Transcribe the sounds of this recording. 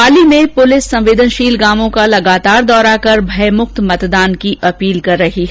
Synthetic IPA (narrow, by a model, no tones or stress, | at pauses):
aːlimẽpʊlɪsːɐ̃mʋeːd̪ʱənʃiːlɡaːmõkalɐɡaːt̪aːɾd̪ɔːɾakɐɾbʱɐjmʊqt̪mɐt̪d̪aːnkiʔɐpiːlkɐɾːɐɦiɦ